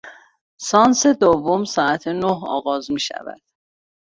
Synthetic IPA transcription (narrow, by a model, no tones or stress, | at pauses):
sɒːnsed̪ovːomsɒːæt̪ʰenoɦɒ̰ːɣɒːzmiːʃæ̰væ̰d̪̥